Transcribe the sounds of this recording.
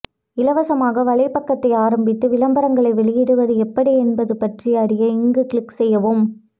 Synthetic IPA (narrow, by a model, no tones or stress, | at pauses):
ɪlɐʋɐsɐmaːɣɐʋɐɭɐɪpɐkːɐt̪ːɐɪaːɾɐmbɪt̪ːɯʋɪlɐmbɐɾɐŋɡɐɭɐɪʋɛɭɪjɪɽɯʋɐðɯɛpːɐɽiɛnbɐðɯpɐʈriɐɾɪjɐɪŋɡɯkɭɪkːsɛjːɐʋoːm